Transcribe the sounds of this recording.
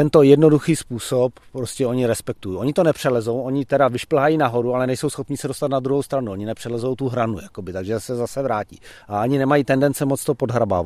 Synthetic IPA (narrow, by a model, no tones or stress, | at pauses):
t̪ɛnt̪o̞jɛdno̞duxiːspuːsoppːɾoscɛo̞ɲɪɾɛspɛk̚t̪ujiʔo̞ɲɪt̪onɛpr̝̥ɛlɛzo̞wʔo̞ɲɪt̪ɛdavɪʃpl̩ɦajinaɦo̞ɾualɛnɛjsowsxo̞pɲɪːsɛdost̪at̪nad̪ɾuɦo̞wst̪ɾanuoɲɪnɛpr̝̥ɛlɛzo̞wt̪uɦɾanujako̞bɪt̪aɡʒɛsɛzasɛvɾaːcḭːʔaaɲɪnɛmajiːt̪ɛndɛnt͡sɛmot͡st̪opo̞dɦɾaba̰ːva